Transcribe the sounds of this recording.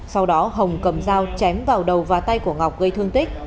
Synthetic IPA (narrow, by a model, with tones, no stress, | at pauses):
sa˧wɗɔ˨˦ɦə˨˩wŋ͡mkə˨˧˩mzaː˧wt͡ɕɛ˨˦mvaː˨˩wɗə˨˩wvaː˨˩t̪a˧jku˧˩əŋa˨˩wk͡p̚ɣə˧jt̪ʰɨ˧əŋt̪ï˦˥k̚